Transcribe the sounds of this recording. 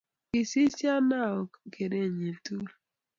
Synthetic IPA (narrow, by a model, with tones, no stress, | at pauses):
ki˨si˦sja˦na˦˨o˨ke˨ɾe˦˨ɲe˨tu˦